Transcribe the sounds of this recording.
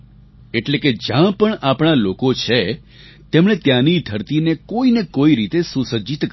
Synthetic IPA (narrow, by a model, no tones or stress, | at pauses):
eʈleked͡ʒjãpəɳapɳ̃alokot͡ʃʰe | t̪emɳet̪jãnid̪ʱəɾt̪inekoinekoiɾit̪esusəd͡ʒit̪k